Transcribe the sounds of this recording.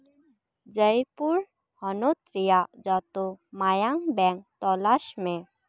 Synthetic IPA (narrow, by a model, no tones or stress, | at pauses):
d͡ʒəjpuɾ | hɔnot̪ɾijad͡ʒat̪omajaŋbɛŋk̚t̪ɔlaʃmẽ